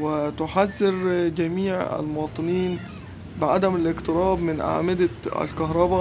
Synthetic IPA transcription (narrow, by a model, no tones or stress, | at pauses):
wɪt̪ʊħazːɪɾd͡ʒæmiːʕæ̰lmʊwɑːt̪ˤɨniːn | bɪʕad̪æmalɪqt̪ɨɾɑːbmɪnʔa̰ʕmɪd̪aæ̰lkaɦɾˤɑba